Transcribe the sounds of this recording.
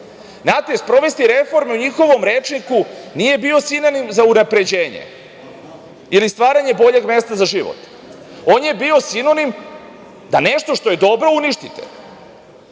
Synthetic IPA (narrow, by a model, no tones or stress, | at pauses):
naːt̪espɾo̞ʋest̪iɾe̞fo̞ɾmeuɲixo̞ʋo̞mɾeːt͡ʃnikunije̞bio̞sino̞nimzaunapɾe̞d͡ʑeːɲḛ | ilist̪ʋaːɾaɲe̞bo̞ʎe̞ɡme̞st̪azaʒiʋo̰t̪ | o̞ːnje̞bio̞sino̞nim | d̪aneʃt̪o̞ʃt̪o̞je̞d̪o̞bɾo̞uniʃt̪it̪ḛ